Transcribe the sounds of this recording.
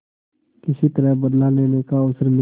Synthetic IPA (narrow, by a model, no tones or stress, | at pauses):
kɪsit̪əɾə̃bəd̪laleːnekaʊsəɾnɪ